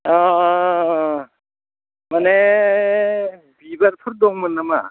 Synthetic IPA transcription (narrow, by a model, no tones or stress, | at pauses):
a | mane | bibaɾpʰɯɾ̚d̪ɔŋmɯnːama̰